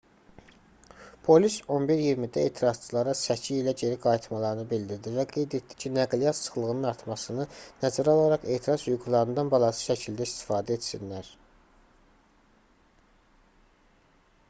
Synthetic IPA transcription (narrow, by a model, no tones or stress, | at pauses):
pʰo̞liso̞nbiɾjiɾmid̪æe̞ːt̪ʰiɾɑz̥t͡ʃʰɯlˠɑɾɑsæcʰiilæɟe̞ɾiɡɑjit̪ʰmɑlˠɑɾɯnɯbild̪iɾd̪ivæɡe̞jd̪e̞t̪d̪i̥cʰinæɡlijɑt̪sʰɯ̥χlˠɯɣɯnɯnɑɾt̪ʰmɑsɯnɯnæzæɾolˠɑɾɑχe̞ːt̪ʰiɾɑzhujɡulˠɑɾɯnd̪ɑnbɑlˠɑsɯ̥ʃæcʰild̪æist̪i̥fɑːd̪æe̞t̪sinlæɾ